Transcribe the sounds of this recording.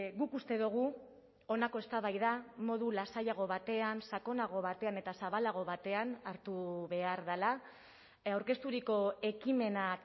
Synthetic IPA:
ɣukust̪e̞ðuɣ̞u | onako̞est̪aβajðamo̞ðulasajaɣ̞o̞βat̪e̞ansako̞naɣ̞o̞βat̪e̞ane̞t̪asaβalaɣ̞o̞βat̪e̞anaɾt̪uβe̞aɾðala | awɾke̞st̪uɾiko̞e̞kime̞na

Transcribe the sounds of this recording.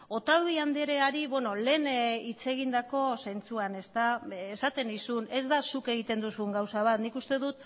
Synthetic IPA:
o̞t̪awðiand̪eɾe̞aɾiβwe̞no̞le̞ːnit͡se̞ɣind̪ako̞se̞nt͡suane̞st̪aesat̪e̞nisune̞zðasuke̞ɣ̞it̪e̞nd̪usuŋɡawsaβ̞at̪nikust̪e̞ðut̪

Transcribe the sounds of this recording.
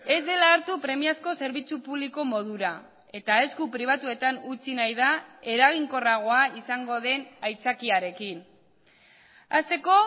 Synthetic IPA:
e̞zd̪e̞laːɾt̪upɾe̞miasko̞se̞ɾβit͡supuβliko̞mo̞ð̞uɾa | e̞t̪ae̞skupɾiβ̞at̪ue̞t̪anut͡sinajðae̞ɾaɣ̞iŋko̞raɣ̞o̞aisaŋɡo̞ðe̞najt͡sakiaɾe̞kin | ast̪e̞ko̞

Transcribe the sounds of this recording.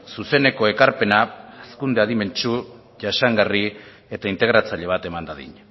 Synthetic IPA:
suse̞ne̞ko̞e̞kaɾpe̞naeskund̪eaðime̞nt͡ʃu | ʝaʃaŋɡari | e̞t̪aint̪e̞ɣɾat͡saʎe̞β̞at̪e̞mand̪aðḭɲ

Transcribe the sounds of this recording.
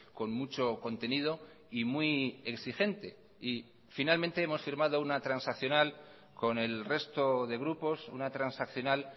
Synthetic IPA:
ko̞nmut͡ʃo̞ko̞nt̪e̞nið̞o̞ | imwieksixe̞nt̪e̞ | i | finalmẽnt̪e̞emo̞sfiɾmaðo̞unat̪ɾansakθjonal | ko̞ne̞lre̞st̪o̞ðe̞ɣ̞ɾupo̞sṵnat̪ɾansakθjo̞nal

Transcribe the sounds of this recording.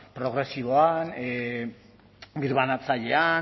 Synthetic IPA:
pɾo̞ɣ̞ɾe̞siβoan | biɾβanat͡saʎe̞a

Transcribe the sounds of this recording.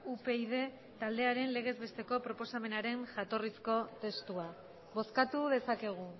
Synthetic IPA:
upe̞iðe̞ | t̪ald̪e̞aɾe̞nle̞ɣ̞e̞zβe̞st̪e̞ko̞pɾo̞po̞same̞naɾe̞ŋʝat̪o̞risko̞t̪e̞st̪ua | βo̞skat̪uðe̞sake̞ɣ̞u

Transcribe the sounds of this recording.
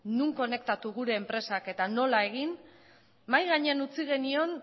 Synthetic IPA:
nuŋko̞ne̞k̚t̪at̪uɣ̞uɾe̞ːmpɾe̞sake̞t̪ano̞lae̞ɣ̞in | majɣaɲeanut͡siɣ̞e̞nio̞n

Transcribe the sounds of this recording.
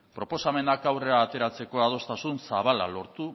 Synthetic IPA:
pɾo̞po̞same̞nakawre̞aːt̪e̞ɾat͡se̞ko̞að̞o̞st̪asunsaβala̰lo̞ɾt̪u

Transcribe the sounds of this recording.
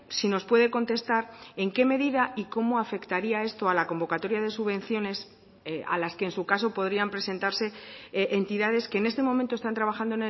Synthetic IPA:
sino̞spwe̞ðe̞ko̞nt̪e̞st̪aɾe̞ŋke̞me̞ðiðaʔiko̞mo̞afe̞kt̪aɾiae̞st̪o̞alako̞mbo̞kat̪o̞ɾjaðe̞suβẽ̞n̟θjo̞ne̞s | a̰laske̞ːnsukaso̞po̞ðɾiampɾe̞se̞nt̪aɾse̞ʔent̪iðað̞e̞ske̞ːne̞st̪e̞mo̞mẽnt̪ost̪ant̪ɾaβ̞axand̪oene

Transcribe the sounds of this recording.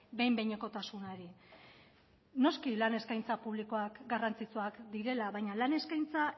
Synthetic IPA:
be̞jmbejɲeko̞t̪asunoɾi | no̞skilane̞skajnt͡sapuβ̞liko̞akɡarant͡sit͡suakd̪iɾe̞laβajɲalane̞skajnt͡sa

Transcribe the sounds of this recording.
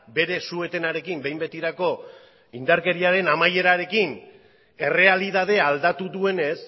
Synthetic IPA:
be̞ɾe̞sue̞t̪e̞naɾe̞kimbe̞jmbe̞t̪iɾako̞ | ind̪aɾke̞ɾiaɾe̞namaje̞ɾaɾe̞kin | e̞re̞aliðað̞e̞ald̪at̪uðue̞ne̞s

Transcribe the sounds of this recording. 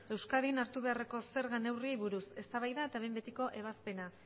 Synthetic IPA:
e̞wskaðinaɾt̪uβe̞are̞ko̞se̞ɾɣane̞wriejβuɾuse̞st̪aβajðae̞t̪aβe̞jmbe̞t̪iko̞ʔe̞β̞aspe̞na

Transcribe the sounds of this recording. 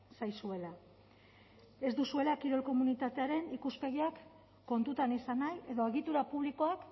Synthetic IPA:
sajsue̞la | e̞zd̪usue̞lakiɾo̞lko̞munit̪at̪e̞aɾe̞nikuspe̞ɣ̞iakː | o̞nt̪ut̪anisanaje̞ðo̞e̞ɣit̪uɾapuβ̞liko̞ak

